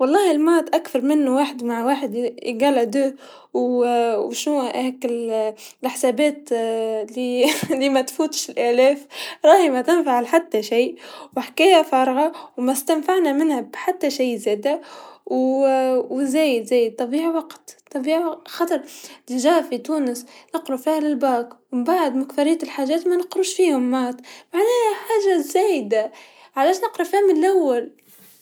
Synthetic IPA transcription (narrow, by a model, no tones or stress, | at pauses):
wɑlˤːɑːhɪlmɑɾˤɑt̪ʔakθɑɾˤmɪnːuwaːħɪd̪maʕwaːħɪd̪ɡɑlad̪uː | wwʃnuhɛːkɪllħsæbæːt̪lilimæt̪fuːt̪ʃɪlʔælɛːfɾˤɑːhimæt̪ɪnfaʕlħat̪ːaʃiːwɪħkæːjæfɑːɾˤɣɑwmæst̪ænfaʕnæmɪnhæbħat̪ːaʃijːzæːd̪aw | wzæːjɪd̪zæːjd̪̚t̪ːˤɑbiːʕiwɑqt̪t̪ˤːɑbiːʕiwɑxɑt̪ˤɑɾˤlɪʒæfit̪uːnəsnɑqɾufiːhlɪlbaːkwmbaʕd̪makfɑɾɪjːat̪ɪlħaːʒæːt̪mænɪqɾuːʃfiːhʊmːɑːt̪ˤmaʕnæːhħaːʒazæːjd̪a | ʕalæːʃnɪqɾˤɑfihmɪnlʔawːal